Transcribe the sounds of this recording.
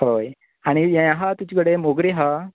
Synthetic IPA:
ɦoj | aɽ̃ijãjãɦat̪ut͡ɕikəɽemoɡɾeɦa

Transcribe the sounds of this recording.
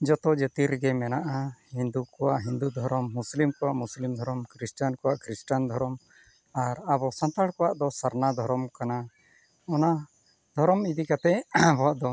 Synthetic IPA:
d͡ʒɔt̪ɔd͡ʒət̪iɾɡɛmɛnaʔahind̪ukɔwaʔɦind̪ud̪ʱɔɾɔmːuslimkɔwaʔmuslimd̪ʱɔɾɔmkɾisʈankɔwaʔkɾisʈand̪ʱɔɾɔm | aɾabɔsãnt̪aɽkɔwaʔd̪ɔsaɾnad̪ʱɔɾɔmkana | ɔna | d̪ʱɔɾɔmid̪ikat̪ɛbɔwaʔd̪ɔ

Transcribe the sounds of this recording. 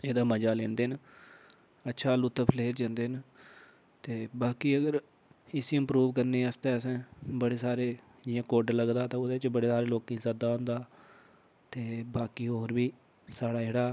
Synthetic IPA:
eːd̪aːməd͡ʒaːlẽːnd̪eːɦn | ətːʃʰaːlut̪ːpʰleːɾd͡ʒãːnd̪eːn | t̪eːbaːkiːəɡəɾ | ɪsiɪmpɾuːʋkəɾneːəst̪ɛːəsɛ̃ːbəɽeːsaːɾeː | ɪãːkoːɾɖləɡd̪aːt̪ãːʊd̪eːt͡ʃbəɽeːsaːɾeːloːkĩːsad̪aːɦõːnd̪aː | t̪eːbaːkiːɦoːɾbiː | saːɽaːd͡ʒeːɽaː

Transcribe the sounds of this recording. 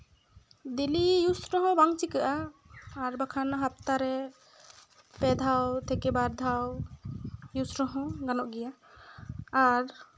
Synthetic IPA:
d̪ilijusɾɔɦɔ̃baŋt͡ʃikaʔaː | ɾbakʰanaɦap̚t̪aɾɛ | pɛd̪ʱawt̪ʰɛkɛbaɾd̪ʱaw | jusɾɔɦɔ̃ɡanɔʔɡɛjaː | ɾ

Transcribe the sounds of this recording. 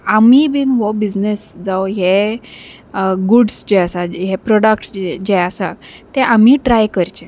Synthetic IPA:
amibiːnɦɔbid͡ʑnesd͡zawɦe | ɡuɖsd͡ʑɛasaɦepɾɔɽək̚ʈsd͡ʑɛasat̪ɛ̃ʔamiʈɾajkəɾt͡ɕe

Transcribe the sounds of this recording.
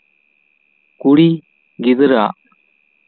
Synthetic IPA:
kuɽiː | ɡɪd̪əɾa̰ː

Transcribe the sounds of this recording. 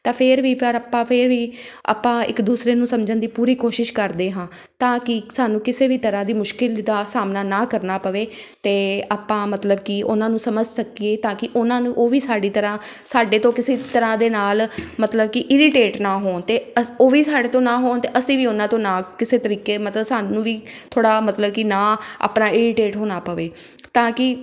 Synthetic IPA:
t̪ãːpʰɪɾʋiːpʰəɾaːpːãːpʰɪɾʋiːa̰ːpːãːɪ̰kd̪uːsɾeːnũːsəmd͡ʒənd̪iːpuːɾiːkoːʃɪʃkəɾd̪eːɦãː | t̪ãːkɪsaːnũːkɪseːbiːt̪əɾãːd̪iːmʊʃkɪld̪aːsaːmnaːnaːkəɾnaːpəʋeːt̪eːaːpːãːmət̪ləbkɪʊnãːnũːsəməd͡ʒsəkieːt̪ãːkɪʔʊnãːnũːʔoːʋiːsaːɖiːt̪əɾãːsaːɖeːt̪õːkɪseːt̪əɾãːd̪eːnaːlmət̪ləb̚kɪʔɪɾɪʈeːʈnaːɦoːnt̪eːoːʋiːsaːɖeːt̪õːnãːɦoːnt̪eːʔəsĩːʋiːʊnãːt̪õːnãːkɪseːt̪əɾiːkeːmət̪ləbsaːnũːʋiːt̪ʰoːɽaːmət̪ləb̚kɪnãːa̰ːpnaːɪɾɪʈeːʈɦoːnaːpəʋeː | t̪ãːkɪ

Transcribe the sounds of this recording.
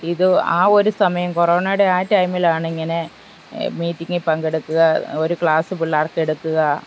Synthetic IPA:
iðɨa̰ːo̞ɾusɐmɐjɐmkoro̞ːnajɽeaːtːɐjmilaːɳɨiŋːɐne̞ | miːtːiŋːɨpɐŋɡe̞ɽukːuɣɐoɾukɭaːsɨpiɭːaːrke̞ɽukːuɣɐ

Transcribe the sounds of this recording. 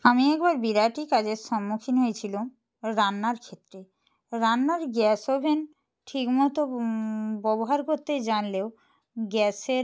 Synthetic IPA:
amiɛk̚baɾbiɾaʈikad͡ʑeɾʃɔmːukʰinɦojet͡ɕʰilo | ɾanːaɾkʰet̪ːɾe | ɾanːaɾɡɛsobʱen | ʈʰikmɔt̪o | bɔboɦaɾkoɾt̪ed͡ʑanleo | ɡɛseɾ

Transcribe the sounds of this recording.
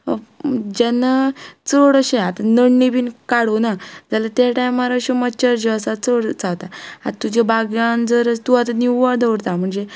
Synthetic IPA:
d͡ʑɛnat͡səɽəɕẽat̪anəɳːibiːnkaɽonad͡zalat̪eʈajmaɾaəɕeməɕəɾd͡ʑeəsat͡səɽt͡sawt̪aat̪ːud͡ʑebaɡjãnd͡zəɾət͡st̪uat̪aniad̪əʋɾt̪am̤əɳd͡ze

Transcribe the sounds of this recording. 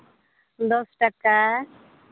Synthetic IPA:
d̪osʈɐka

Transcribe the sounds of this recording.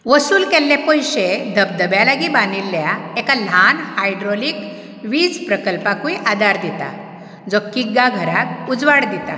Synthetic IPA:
ʋəsuːlkɛlːapəjɕed̪ʱəb̚d̪əbjalaɡibãnilːjaekal̤anhajɖɾɔlik | ʋiːd͡zpɾəkəlpakuiʔad̪aɾd̪it̪a̰ | d͡zɔkːiɡaɡʱəɾak̚ud͡zʋaɽd̪it̪a̰

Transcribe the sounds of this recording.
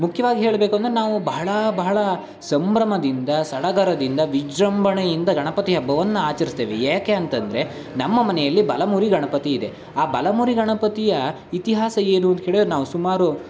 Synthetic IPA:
mukʰjɐʋaːɡiɦe̞ːɭɐbe̞ːkuɐnd̪ɾenaːʋubɐɦɐɭɐbɐɦɐɭɐ | sɐmbɾɐmɐd̪ind̪ɐsɐɽɐɡɐɾɐd̪ind̪ɐʋid͡ʒɾɐmbʱɐɳɐjind̪ɐɡɐɳɐpɐt̪ijɐbʱːɐʋɐnːɐaːt͡ʃɐɾist̪eːʋejaːkeɐnt̪ɐnd̪ɐɾe̞ | nɐmːɐmɐnɛjɐlːibɐlɐmuːɾiɡɐɳɐpɐt̪iːd̪e̞ | aːbɐlɐmuːɾiɡɐɳɐpɐt̪ijɐ | it̪iɦaːsɐe̞ːnuɐnt̪ɐɦe̞ːɭidoɾnaːʋusumaːɾu

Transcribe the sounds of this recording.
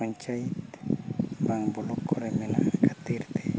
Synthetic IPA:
oɲt͡ʃajit̪ | baŋbolokʰːoɾemena̰kat̪iɾt̪e̥

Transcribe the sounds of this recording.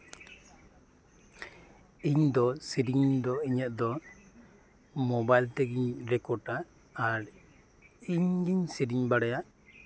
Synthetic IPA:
iɲd̪ɔsiɾiŋd̪ɔiɲəʔ̪̚d̪ɔ | mɔbajlt̪ɛɡiɲɾɛkɔɾʈaː | ɾ | iɲɡiɲsiɾiɲbaɽajaʔ

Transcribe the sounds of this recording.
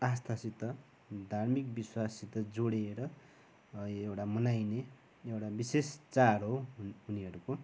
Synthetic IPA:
ast̪ʰasit̪ʌ | d̪ʱarmikbiswasit̪ʌd͡zoɽieɾʌ | ewʈamʌnajne | ewʈabisest͡saɾɦouniɦʌɾuko

